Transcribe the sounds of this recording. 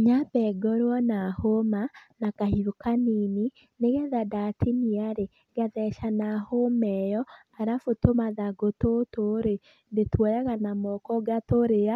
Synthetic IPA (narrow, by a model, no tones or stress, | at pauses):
ɲabɛɡɔɾwɔnahomanakahiokanini | neɣɛðadatiniaɾe | ɡaðɛʃanahomɛjɔ | aɾafotomaðaɡototoɾe | ndetwɔjaɣanamɔkɔɡatoɾea